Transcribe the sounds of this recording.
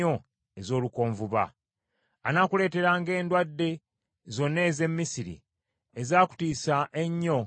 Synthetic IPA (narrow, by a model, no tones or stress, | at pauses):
o̞ | e̞zo̞ːluko̞ːɱvuβa̰ː | nakule̞ːte̞ɾaːŋɡe̞ːndwadːe̞ | zo̞nːe̞ːze̞mːisiɾḭ | ezaːku̥tiːsaʔeɲːo̞